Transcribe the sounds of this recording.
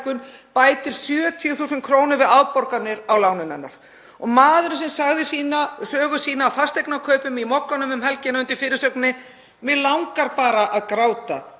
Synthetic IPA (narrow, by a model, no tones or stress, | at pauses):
kʏnpaːjt̪ɪɾ̥sjœːt̪ʰijʏθuːsʏnkʰɾoːwnʏɾvɪðawpɔɾkat̪nɪɾawlaːwnɪnanːa̰ɾ̥ | ɔɣmaːðʏɾɪsɛmsaɣðɪsiːnasœːɣʏsiːnaːwfast̪ejknakʰœɥpʏmimɔkːanʏmʏmhɛlcɪnaʏnt̪ɪɾ̥fɪːɾɪɾ̥sœknɪ | mɛðlawŋkaɾpaːɾaʔaðkɾaːwt̪a